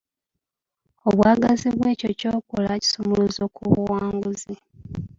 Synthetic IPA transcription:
oβwaːɡaziβwe̞ːco̞co̞ːkolaci̥somoluzokuβuwaːŋɡuzi

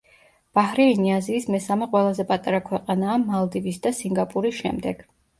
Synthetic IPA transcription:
b̥ahɾɛiniaziːsmɛsamɛqʼwɛlˠazɛpʼat̪ʼaɾakʰwɛqʼanaːmalˠd̪ivisd̪asiŋɡapʼuɾisʃɛ̰md̪ɛɡ̥

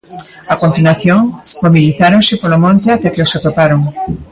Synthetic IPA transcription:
akont̪inwaθjoŋmoβiliθaɾoŋsɪpolomõnt̪eat̪ekeosat̪opaɾoŋ

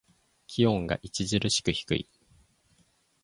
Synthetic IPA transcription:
kʲʰiõ̞ŋɡa̰ʔit͡ɕizɨɾɯɕi̥kɯ̟çi̥kɯ̟̰ḭ

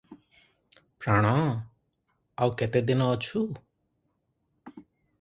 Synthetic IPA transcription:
pɾaːɽ̃ã | aukɛt̪ed̪ɪnãɔt͡ʃʰu

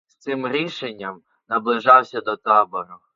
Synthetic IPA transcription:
st̪sɪmɾʲiʃenʲːɐm | nɐblˠɪʒɑwsʲɐd̪ɔt̪ɑbɔɾʊ

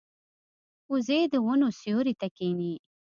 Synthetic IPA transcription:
uzed̪əwʊnosjoɾit̪akeni

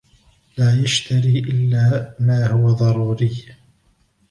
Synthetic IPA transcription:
laːjaʃt̪aɾiːʔɪlːaːmaːhʊwaðˤɑɾuːɾɪj

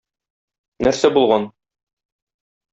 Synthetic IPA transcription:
næɾsæbulˠʁɑn

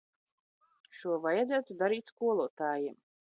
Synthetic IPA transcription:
ʃuɔvajad̪zæːt̪ud̪aɾiːt̪ʲskuɔlˠuɔt̪aːjim

